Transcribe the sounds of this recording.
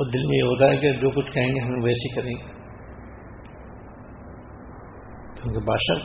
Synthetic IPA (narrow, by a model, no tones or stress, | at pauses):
ɔːd̪ɪlmẽjeɦoːt̪aɦɛked͡ʒoːkʊt͡ʃʰkɐɦẽːŋɡeɦɐmẽʋɛːsikɐɾẽː | kjõːkebaːʃa̰ː